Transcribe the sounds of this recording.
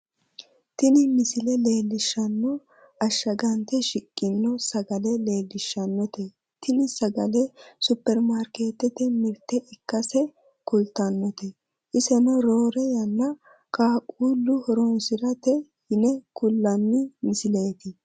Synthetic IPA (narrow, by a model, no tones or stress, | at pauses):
t̪ɪnɪmɪsɪlɛle̞ːlːɪʃːɐnːɔ | ɐʃːɐɡɐnt̪ɛʃɪkʼːɪnːɔsɐɡɐlɛleːlːɪʃːɐnːɔt̪ɛ | t̪ʰɪnɪsɐɡɐlɛsʊpːɛɾmaːɾkeːt̪ːɛt̪ɛmɪɾt̪ːɛʔɪkːɐsɛ | kʊlt̪ɐnːɔt̪ɛ | ʔɪsɛnɔɾoːɾɛjɐnːɐ | kaːkʼuːlːʊhɔɾɔnsɪɾɐt̪ɛhɪnɛkʊlːɐnːɪmɪsɪle̞ːt̪ɪ